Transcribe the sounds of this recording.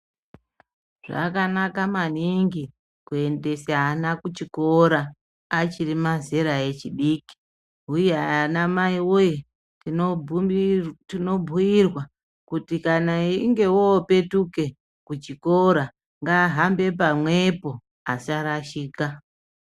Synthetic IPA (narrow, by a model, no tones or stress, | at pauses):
ʐ̥a̰kanakamaniŋɡi | kue̞nde̞saanakut͡ʃiko̞ɾaː | t͡ʃirimazeɾae̞t͡ʃiɗiːki̥ | ujeaanamaiwoje | tino̞bʱujirwa | kutikanaiŋɡe̞woːpe̞tuke̞ | kut͡ʃikoɾa | ŋɡaɦambe̞p̬amwe̞po̞ | asaɾaʃiːka